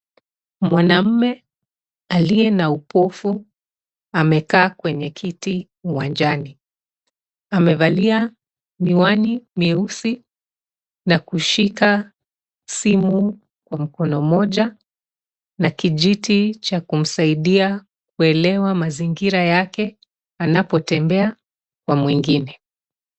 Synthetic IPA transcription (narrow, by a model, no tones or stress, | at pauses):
mwanam̩mɛ | alijɛnaupɔfu | amɛkaːkwɛɲɛkʰiti | uwand͡ʒani | amɛvalia | miwanimiusi | nakuʃika | simu | kwam̩kɔnɔmɔʄa | nakiʄitit͡ʃakum̩saiɗia | kuɛlɛwamaziŋɡiɾajakɛ | anapɔtɛmbɛa | kwamwiŋɡinɛ